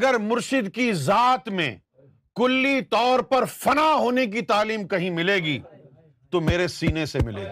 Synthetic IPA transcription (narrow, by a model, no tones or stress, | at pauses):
ɐɡəɾmʊɾʃɪd̪kizaːt̪mḛ̃ | kʊlːit̪ɔːɾpɐɾfɐnaɦoːnek̬it̪aːliːmkɐɦĩmɪleːɡi | t̪omeːɾesiːnesemɪlḛːɡiː